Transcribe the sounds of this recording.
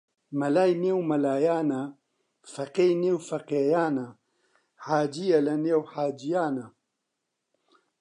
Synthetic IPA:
mɐlaːjnewmɐlaːjaːna | fɐqejnewfɐqejaːna | ħaːd͡ʒijɐlɐnewħaːd͡ʒijaːna

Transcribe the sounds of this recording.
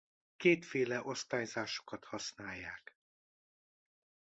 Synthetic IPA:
keːt̪feːlɛʔo̞st̪aːjzaːʃo̥kɒt̪hɒsnaːjːaːk

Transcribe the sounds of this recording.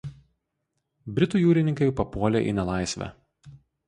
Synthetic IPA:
bʲɾʲɪt̪uːjuːɾʲɪnʲɪŋkɐɪpɐpuɔlʲḛːʔḭnʲɛlˠɑˑɪsʲʋʲæ̰

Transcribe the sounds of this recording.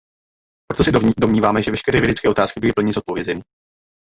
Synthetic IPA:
pɾot̪osɛdomɲiːvaːmɛʒɛvɛʃkɛɾɛːvjɛdɛt͡skɛːo̞t̪aːskɪbɪlɪpl̩ɲɪzot̪̚po̞vjɛzɛni

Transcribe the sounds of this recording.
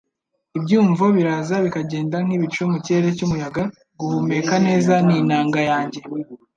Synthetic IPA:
ibɟuːɱvoβiɾaːzaβikaɟe̞ːndaŋ̥iβit͡ʃomuciɾe̞ɾe̞cumujaɡa | ɡuhume̞ːkane̞ːzaninaːŋɡajaːɲɟe̞

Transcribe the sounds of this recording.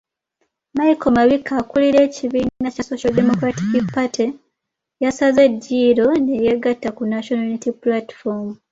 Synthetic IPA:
majiko̞maβikʰːaːkuliɾe̞ːciβiːnnacasosialdemo̞kɾatikipati | jasaze̞diːɾo̞ne̞jeɡatːakunaʃonanitipulati̥fom

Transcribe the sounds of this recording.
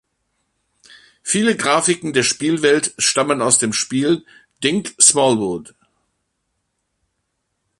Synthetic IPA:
fiːləɡʁaːfɪkŋ̩deːɐʃpiːlvɛltʃtamənaʊsd̥eːmʃpiːl | d̥ɪŋksmɔlwʊt

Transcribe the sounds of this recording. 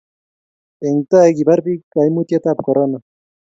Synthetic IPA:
eŋt̪aeɡibaɾbikajmut̪jat̪ap̚koɾona

